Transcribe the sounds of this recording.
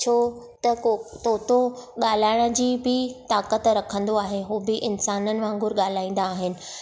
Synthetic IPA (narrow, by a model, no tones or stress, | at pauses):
t͡ɕʰoː | t̪ɐt̪oːt̪õɠaːl̤aːɪɽ̃ə̆d͡ʑiːbɪt̪aːkət̪ɾɐkʰə̃nd̪oaːɦeɦuːbɪʔɪnsaːnənɪ̆ʋãːŋɡʊɾɠaːl̤aːĩːnd̪aːɦɪnɪ̆